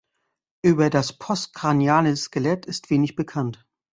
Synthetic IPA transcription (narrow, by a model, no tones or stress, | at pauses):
ʔyːbɐdaspʰɔst̚kʁ̥anjaːnəskəlɛtʰɪstv̥eːnɪçb̥əkʰant